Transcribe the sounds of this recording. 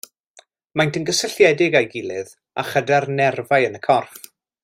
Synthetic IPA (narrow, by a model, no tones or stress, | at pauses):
majntənɡəsəɬjɛdɪɡajɡɪlˠɨð | a̰χədɛrnɛrvaɨənəkʰɔrf